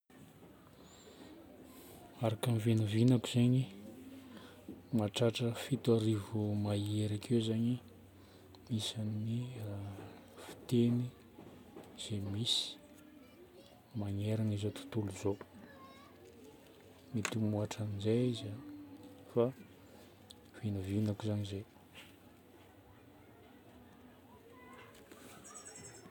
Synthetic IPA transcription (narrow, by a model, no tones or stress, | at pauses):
aɾakamivinəvinakuz̥eɲi | maʈ͡ʂaʈ͡ʂəfit̪aɾivumaieɾakʰewzaɲi | misanni | fi̥t̪eni | z̥emisi̥ | maŋeɾanizot̪u̥t̪uluzo | mit̪imuaʈ͡ʂanizajiza | fa | vinavinakuizaɲize